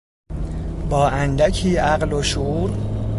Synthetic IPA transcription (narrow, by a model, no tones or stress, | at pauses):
bɒːʔænd̪æcʰiːʔæɢloʃuuːɾ